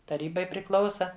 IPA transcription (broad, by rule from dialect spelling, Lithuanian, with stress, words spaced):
tɐˈrʲiːbɐɪ pʲrʲɪˈklˠɐʊsɐ